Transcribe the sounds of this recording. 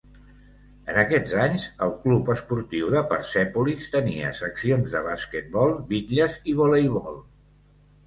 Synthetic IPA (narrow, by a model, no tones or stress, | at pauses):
ənəkɛd͡zaɲzəlˠklupəspuɾt̪iwðəpəɾsɛpulist̪əniə̰səksionzðəβ̞askət̪̚bɔlˠbit̪ʎəziβolejβɔlˠ